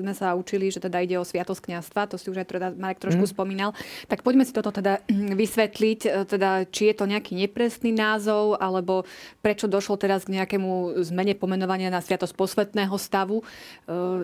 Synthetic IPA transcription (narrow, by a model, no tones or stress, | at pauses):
zmɛsaut͡ʃiliʒɛt̪ɛd̪aiɟɛɔsʋɪat̪ɔsckɲast̪ʋat̪ɔsiuʒaɪt̪ɾɔd̪amaɾɛkt̪ɾɔʃkuspɔmiːnalt̪ak̚pɔɟmɛsit̪ɔt̪ɔt̪ɛd̪aʋisʋɛt̪lict̪ɛd̪at͡ʃijɛt̪ɔɲɛakiɲɛpɾɛsninaːzɔʊʔalɛbɔpɾɛt͡ʃɔd̪ɔʃlɔt̪ɛɾazɡɲɛakɛmuzmɛɲɛpɔmɛnɔʋaɲɪanasʋɪat̪ɔsc̚pɔsʋɛt̪nɛːɦɔst̪aʋu